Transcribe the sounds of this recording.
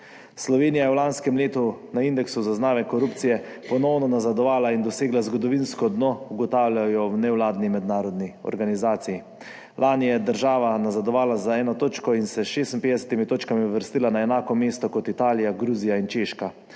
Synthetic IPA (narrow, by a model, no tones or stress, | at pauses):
slɔʋeːnijajɛwlanskɛmleːt̪unaind̪ɛksuzaznaːʋɛkɔɾupt̪sijɛpɔnɔwnɔnazad̪ɔʋaːlaind̪ɔseːɡlazɡɔd̪ɔʋinskɔd̪nɔuɡɔt̪aːwlʲajɔwnɛwlaːd̪nimɛd̪naːɾɔd̪niɔ̰ɾɡanizaːt̪siji | lʔaːnijɛd̪əɾʒaːʋanazad̪ɔʋaːlazaɛːnɔt̪oːt͡ʃkɔinsɛsʃeːst̪inpeːd̪ɛsɛ̥t̪imit̪oːt͡ʃkamiuʋəɾst̪ilanaɛnaːkɔmeːst̪ɔkɔt̪it̪aːlijaɡɾuːzijaint͡ʃeːʃka